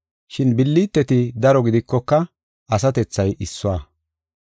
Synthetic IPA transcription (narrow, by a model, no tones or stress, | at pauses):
ʃɪnbɪlːiːt̪ːɛt̪ɪd̪ɐɾɔɡɪd̪ɪkːɔkːɐ | ɐsɐt̪ɛt͡sːɐjʔɪsːʊaː